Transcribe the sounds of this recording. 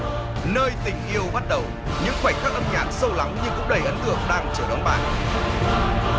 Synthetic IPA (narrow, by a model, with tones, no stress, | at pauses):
nəː˧jt̪ï˧˩ŋ̟ʔi˧əwɓa˦˥t̚ɗə˨˩w | ɲɨ̰˧˥ŋfwa˧˩jkaː˦˥k̚ʔə˧mɲaː˨˩t̚sə˧wla˨˦ŋɲɨ˧ŋkʊ̰˧˥ŋ͡mɗə˨˩jʔə˨˦nt̪ɨ˧˩əŋɗaː˧ŋt͡ɕɨ˧˩wɗɔ˨˦wŋ͡mɓa̰ː˧˩n